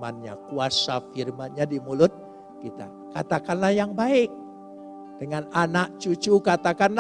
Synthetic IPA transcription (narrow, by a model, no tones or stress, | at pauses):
a̰nɲa̰kuasafirmanɲadimulʊt̪̚ | kit̪a̰ | kat̪akanlahjaŋbaɪk̚ | d̥əŋananak̚t͡ʃut͡ʃukat̪akanl